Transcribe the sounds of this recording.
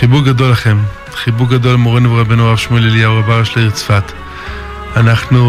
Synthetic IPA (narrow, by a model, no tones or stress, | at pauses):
χibuʁɡado̞laχem | χibuʁɡado̞lmoʁenuveʁabenuʁavʃmueleljawʁabaʁaʃlaiʁt͡sfat̪ | anaχnu